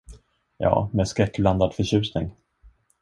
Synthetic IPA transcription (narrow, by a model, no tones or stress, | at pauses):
jɑ̰ːmɛːskɾɛkːbland̪ad̪fœɕʉ̟ːsnɪŋ